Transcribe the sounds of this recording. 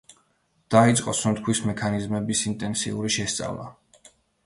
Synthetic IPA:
d̪̥ait̪sʼqʼɔsunt̪kʰwismɛkʰanizmɛbisint̪ʼɛnsḭuɾiʃɛst̪sʼa̰vlˠa̰

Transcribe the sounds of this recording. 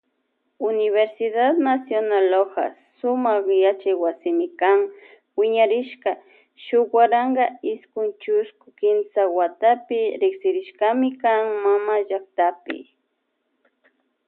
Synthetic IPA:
ʊnɪβeɾsɪðad̪nasjonaloka̰sʊmaχjat͡ʃajwasɪmɪkaŋ | wɪɲaɾɪʃka | ʃʊkwaɾaŋɡaɪskʊnt͡ʃʊskʊkɪnsawat̪apɪɾɪksɪɾɪʃkamɪkaŋmamaʒakt̪apɪ̰

